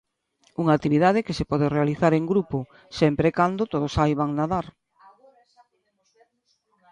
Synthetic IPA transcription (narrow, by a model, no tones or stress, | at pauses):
uŋak̚t̪iβiðað̞ɪkesepɔðerealiθaɾeŋɡɾupo | sɛmpɾekand̪ot̪oð̞osajβaŋnaðaɾ